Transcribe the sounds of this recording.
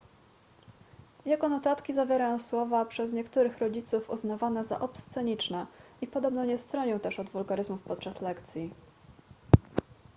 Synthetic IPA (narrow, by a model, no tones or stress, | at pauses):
jɛɡɔnɔt̪at̪kʲizavʲjɛɾajɔ̃w̃swɔvapʂɛz̬ɲɛkt̪uɾɘxɾɔd͡ʑit̪sufṵznavanɛza̰ʔɔpst̪sɛɲit͡ʂnɛʔipɔd̪ɔbnɔɲɛst̪ɾɔɲɔw̃t̪ɛʂɔd̪vulɡaɾɘzmufpɔt̪̚t͡ʂaslɛkt̪sʲji